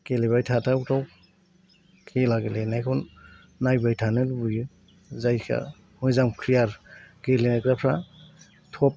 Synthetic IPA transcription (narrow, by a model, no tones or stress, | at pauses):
keleβajtʰatʰautaw | kʰelaɡelenajkʰɔnː | ajbajtʰanɯlbujɯ | zajkʰa̰ | mɔjzamkʰɾijaɾɡeɾlenakɾapʰɾa | tʰɔp̚